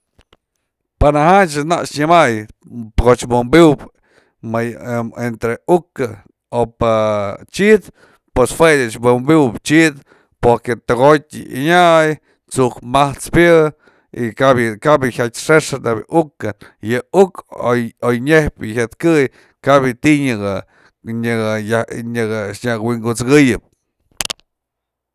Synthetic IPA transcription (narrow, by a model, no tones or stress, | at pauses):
panaɦat͡ʃɨnaʔʂɲɨmajtɡot͡ʃbombuwp | maent̪ɾeukɨ | opat͡ʃid̪ | pweshwedɨt͡ʃbombuwpt͡ʃid̪ | poɾket̪ɨɣot̪ʲɨ̰ʔḭɲaʔj | t͡suʔkmaht͡spjɨ | ikabjɨkabjɨhʲatʲʂeʂɨnebjɨ̰ʔukɨnjɨukoojɲehpjɨçʲat̪kɨj | kabjɨt̪iɲɨɡa | ɲɨjaɲɨɡʃɲakwiŋɡut͡sɡɨjɨp̚